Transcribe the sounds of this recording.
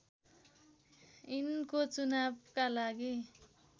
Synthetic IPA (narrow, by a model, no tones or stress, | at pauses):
inkot͡sunab̚kalaɡi